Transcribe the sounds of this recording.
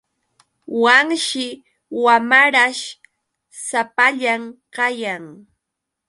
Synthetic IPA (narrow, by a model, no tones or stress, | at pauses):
waŋʃɪ | wamaɾaʃ | sapaʎamqɑjaŋ